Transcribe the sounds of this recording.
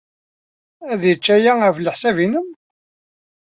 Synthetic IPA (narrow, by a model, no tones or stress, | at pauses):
æðjət͡ʃːæjæəfləħsævinəm